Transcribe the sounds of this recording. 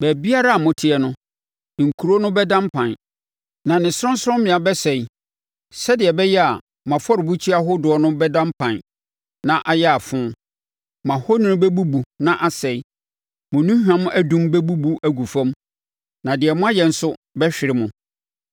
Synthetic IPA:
bæ˨bi˦a˦ɾa˦a˨mʊ̃˨tʰɪ˨ɛ˨nʊ̃˦ | ŋ̩˨kʰu˨ɾo˦nʊ̃˦bɛ˦dã˦mpʰã˨n | nã˨nɪ̃˨sʊ˦ɔ̃˦n̩˦sʊ˦ɾɔ̃˦mmɪ̃˨a˨bɛ˦sɛ˨i˨ | sɛ˦dɪ˨ɛ˨bɛ˦jɛ˦a˨ | mã˨fɔ˦ɾɪ˨bu˦t͡ɕʰi˦a˦ɦʊ˦dʊ˨ɔ˦nʊ̃˦bɛ˦dã˦mpʰã˨n | nã˦ʔa˨jɛ˦a˨fʊ̃˦ | mã˨ho˦nɪ̃˦nʊ̃˦bɛ˦bu˦bu˨nã˦ʔa˦sɛ˨i˦ | mʊ̃˨nũ˦hᶣã˦mʊ̃˦ʔæ˦dũ˦mbɛ˦bu˦bu˨ʔæ˨ɡu˨fã˦m | nã˨dɪ˨ɛ˨mʊ̃˦a˦jɛ˨n̩˦sʊ˦bɛ˦ɕᶣɪ˨ɾɪ˦mʊ̃˨

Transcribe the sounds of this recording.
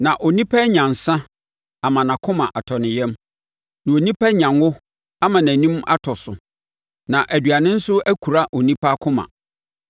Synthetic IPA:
nã˨ʔɔ˨nĩ˦pʰa˦ɲã˨n˨sã˦ | a˨mã˨nã˨kʰʊ̃˦mã˨ʔa˨tʰɔ˨nɪ̃˨jɛ̃˦m | nã˨o˨nĩ˦pʰæ˦ɲã˨nʊ˦ | a˦mã˨næ̃˨nĩ˦ma̰˦tʰɔ˨sʊ˨ | nã˨ʔæ˨dɥa˨nɪ̃˦n̩˦sʊ˦æ˦kʰu˨ɾa˦ʔo˨nĩ˦pʰa˦kʰʊ̃˦mã̰˨

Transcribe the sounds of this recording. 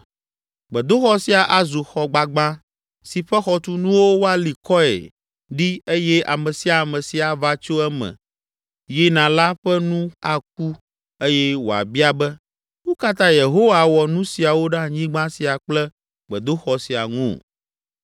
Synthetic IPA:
ɡ͡bɛ˨d̪o˦xɔ˦si˨a˨ʔa˨zu˨xɔ˨ɡ͡ba˨ɡ͡bã˦ | si˨ɸɛ˦xɔ˦t̪u˦nũ˦wo˦wo˦a˦li˨kɔ˦ɛ̰˨ | ɖi˦e˦jɛ˦ʔa̰˨mɛ̃˨si˨a˨mɛ̃˨si˨a˨va˦t͡ʃo˦ɛ˦mɛ̰̃˨ | ji˦nã˨la˦ɸɛ˦nũ˦a˨k̚u˦ | e˦jɛ˦wo˨a̰˨bi˦a˦bɛ˦ | wo˦ka˦t̪ã˦je˨ɦo˦wa˦wɔ˨nũ˦si˨a˨wo˦ɖã˦˨ɲĩ˦ɡ͡bã˦si˨a˨k͡plɛ˦ | ɡ͡bɛ˨d̪o˦xɔ˨si˨a̰˨ŋṵ̃˦˨

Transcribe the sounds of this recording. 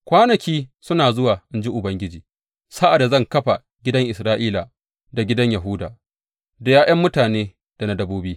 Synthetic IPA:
kʷaː˦nɐ˨kʲiː˦sʊ˦naː˨zʊ˦waː˨ʔɪ˦nd͡ʒi˦ʔʊ˨bɐ˦ŋɡʲɪ˦d͡ʒiː˨ | sa˦ʔa˨da˨zɐ˦˨ŋkɐ˦ɸa˨ | ɡʲɪ˦dɐ˦ŋʔɪ˨sɾaː˦ʔiː˦la˨ | da˨ɡʲɪ˦dɐ˦ɲjɐ˨ɦʊ˦daː˨ | da˨jaː˦j̰ɐ˦mːʊ˦taː˨neː˦ | d̥a˨na˦dɐ˦boː˦biː˦

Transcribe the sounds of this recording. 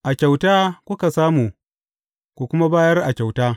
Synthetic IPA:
ʔa˨kʲa˨wtaː˦kʷʊ˦ka˨saː˦muː˨ | kʷu˨kʷʊ˦ma˦baː˦jɐ˦rʔa˨kʲa˨wtaː˦

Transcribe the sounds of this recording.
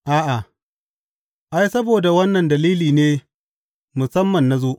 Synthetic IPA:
ʔaː˦ʔa˨ | ʔa˦jsɐ˦boː˨da˨wɐ˦nːɐ˨ndɐ˨liː˦liː˨neː˦ | mʊ˨sɐ˦mːɐ˨nːa˦zoː˦ʔ

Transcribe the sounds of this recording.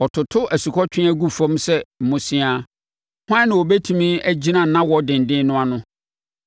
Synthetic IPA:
ɔ˨tʰʊ˨tʰʊ˦ʔæ˨su˨kʰɔ˦t͡ɕᶣɪ̃˦æ˦ɡu˦fɔ̃˦msɛ˦m̩˨mʊ̃˦sɪ̃˦a˦ | hã˦nɪ̃˨o˨bɛ˦tʰũ˨mĩ˦æ˦d͡ʑi˦nã˨nã˦wɔ˦dɪ̃˨n˨dɪ̃˦nʊ̃˦a˨nʊ̃˦

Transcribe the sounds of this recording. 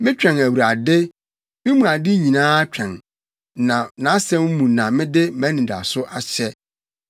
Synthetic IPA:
mɪ̃˦t͡ɕᶣɛ̃˨næ˨wu˨ɾa˨dɪ˦ | mɪ̃˦mũ˨a˨dɪ˦ɲĩ˨nãː˦t͡ɕᶣɛ̃˨n | nã˨nã˨˦sɛ̃˦m˦mũ˨nã˨mɪ̃˦dɪ˦mæ̃˨˦nĩ˨da̰˨sʊ˦ʔa˨ɕɛ˦

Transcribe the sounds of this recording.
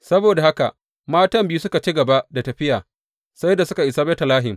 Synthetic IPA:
sɐ˦boː˨da˨ha˦ka̰˨ʔ | maː˦tɐ˦mbiː˦sʊ˦ka˨t͡ʃi˦ɡɐ˨ba˦ʔda˨tɐ˨ɸɪ˦jaː˨ | sa˦jda˨sʊ˦ka˨ʔɪ˨saː˦bɛ˦ta˨laː˦ɦɪ˨m

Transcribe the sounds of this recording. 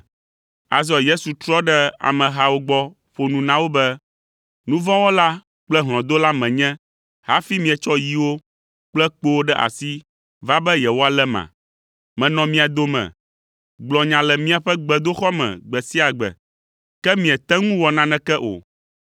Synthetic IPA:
a̰˨zɔ˨je˦su˨t̪ɾɔ˦ɖɛ˦a̰˨mɛ̃˨ɦa˨wo˦ɡ͡bɔ˦ | ɸo˨nũ˨nã˦wo˦bɛ˦ | nũ˦vɔ̃˦wo˦la˦ | k͡plɛ˦ɦl̃ɔ̃˨d̪o˦la˦mɛ̃˨ɲɛ̃˦ | ha˦fi˦mĩ˨ɛ˨t͡ʃɔ˦ji˦wo˦ | k͡plɛ˦k͡po˦wo˦ɖɛ˦ʔa̰˨si˦ | va˦bɛ˦jɛ˨wo˦a˨lɛ˦mã̰˨ | mɛ̃˨nɔ̃˨mĩ˦a˨d̪o˦mɛ̰̃˨ | ɡ͡blɔ̃˨ɲã˨lɛ˨mĩ˦a˨ɸɛ˦ɡ͡bɛ˨d̪o˦xɔ˦mɛ̰̃˨ɡ͡bɛ˨si˦a˨ɡ͡bɛ̰˨ | kɛ˦mĩ˨ɛ˨t̪ɛ˦ŋũ˦wɔ˨nã˦nɛ̃˦kɛ˦ʔo̰˨

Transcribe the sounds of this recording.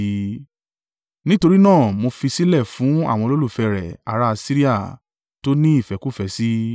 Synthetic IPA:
nĩ˦to˧ɾi˦nãː˦˨mo˧fi˧si˦lɛ˦˨fũ˨˦a̰˦˨w̃ɔ̃˧lo˦lu˦˨fɛ˧˨ɾɛ̰˨a̰˨˦ɾa˦˧si˦ɾi˦a˦˨ | to˦nĩ˦i˦˨fɛ˨˦ku˦fɛ˧˦si˦

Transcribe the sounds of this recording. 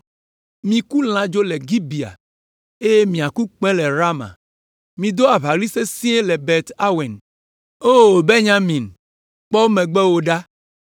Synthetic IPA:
mĩ˨ku˦l̃ã˦d͡ʒo˦le˨ɡi˦bi˨a̰˨ | e˦je˦mĩ˨a˨ku˦k͡pɛ̃˦lɛ˨ɾa˦mã̰˨ | mĩ˨d̪o˦a˨βa˨ɡli˦se˦sĩ˦e˦lɛ˨be˨t̪a˦we˨n | o˦˨be˦ɲã˦mĩ˨n | k͡pɔ˦mẽ˨ɡ͡bɛ˦wo˨ɖa˦

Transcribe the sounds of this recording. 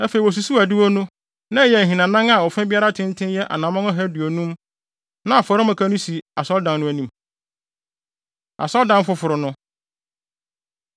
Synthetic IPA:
æ˦fe˨i˨wɔ˨s̬u˨su˦æ˨di˦wo˦nʊ̃˦ | nã˦˨jɛ˨ɦĩ˨nã˨nã˦ŋa˨ɔ˨fɛ̃˦bi˦a˦ɾa˦tʰɪ̃˦n˦tʰɪ̃˦njɛ˦ʔa̰˨nã˨mɔ̃˦ŋã˦ɦæ˦du˨o˨nũ˦m | nã˦a˨fɔ˨ɾɪ˦mã˨kʰa˦nʊ̃˦si˨a˨sɔ˦ldã˨nːnʊ̃˦æ˦nĩ˨m | a̰˨sɔ˦ldã˨n˦fʊ˦fʊ˨ɾʊ˨nʊ̃˦

